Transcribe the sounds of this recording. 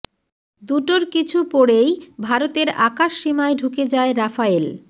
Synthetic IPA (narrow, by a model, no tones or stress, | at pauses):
d̪uʈoɾkit͡ɕʰupoɽejbʱaɾot̪eɾakaʃːimaeɖʱuked͡ʑaeɾafael